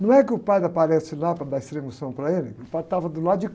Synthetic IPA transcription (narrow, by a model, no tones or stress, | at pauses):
nɐ̃w̃ɛkɪʊpajd̪ɐpaɾesɪlapɾɐd̪aist̪ɾẽmʊsɐ̃w̃pɾɐelɪkʊpajt̪avɐd̪ʊlad̪ʊd͡ʒɪ